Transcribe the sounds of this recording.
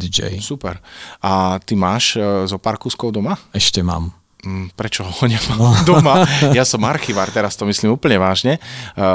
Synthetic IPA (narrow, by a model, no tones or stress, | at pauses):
d̪id͡ʒɛ̰jsupɛ̰ɾat̪imaːʃzɔpaɾkuːskɔʊd̪ɔmaɛʃcɛma̰ːm | pɾɛt͡ʃɔɦɔɔɲamad̪ɔmajasɔmaɾxiʋaɾt̪ɛɾast̪ɔmislimuːpl̩ɲɛʋaːʒɲɛ